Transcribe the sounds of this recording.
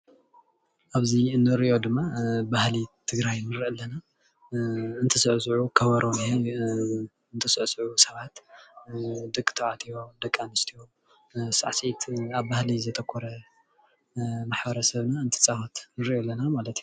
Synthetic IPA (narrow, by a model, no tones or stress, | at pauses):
ʔaβziɨnːɨɾo̞d̪ɨmːabahlit̪ʰɨɡɾajnɨɾʔɐlːɐna | ɨnt̪ʰɐsɨʕsɨʕukʰɐβɐɾʔoni | ɨnt̪ʰɐsɨʕsɨʕusɐβat̪ | d̪ɨkʼːt̪ʰɐʔat̪ʼijo̞d̪ɐkʼːanist̪ʰijo | sa̰ʕsit̪aβbahlizɐt̪ʰʼɐkʷʰːɔɾɐ | maħbɐɾɐsɐβnaɨnt̪ʰi̥t͡sʼafat̪nɨɾjolːɐnamalɐt̪j